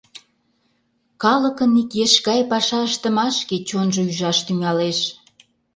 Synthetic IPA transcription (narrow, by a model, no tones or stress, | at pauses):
kɑləkənikjeʃɣɑjpɑʃɑəʃt̪ə̆mɑʃket͡ɕonʒoyʒɑʃt̪yŋɑleʃ